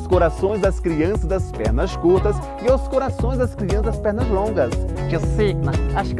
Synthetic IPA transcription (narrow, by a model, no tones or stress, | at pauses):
skoɾasõj̃zd̪ɐskɾiɐ̃sɐzd̪ɐspɛ̰ɾnɐskuɾt̪ɐs | ɪawskoɾasõj̃zd̪ɐskɾiɐ̃szd̪ɐspɛɾnɐzlõɡɐskseɡnɐaʃk